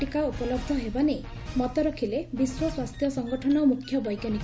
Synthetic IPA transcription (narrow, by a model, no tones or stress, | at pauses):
ikaupɔlɔbd̪ʱɔɦebane | mɔt̪ɔɾɔkʰilebiswɔswast̪ʰjɔsɔŋɡɔʈʰɔnɔmukʰːjɔbɔjkjanik